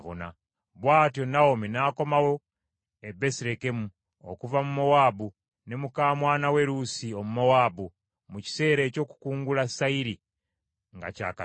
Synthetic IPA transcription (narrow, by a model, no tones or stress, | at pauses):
βo̰na̰ | βwaːtjo̞nawominaːko̞mawo̞ | ebe̞siɾe̞ke̞mu | o̰kuvamumo̞waːbu | ne̞mukaːmwaːnawe̞ɾusiomumowaːbu | muci̥se̞ːɾeːco̞ːku̥kuːŋɡulasaiɾi | ŋɡa̰ca̰ːka